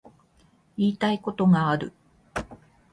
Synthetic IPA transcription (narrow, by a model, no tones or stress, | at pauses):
iːt̪aiko̞t̪o̞ŋaːɾɯ̟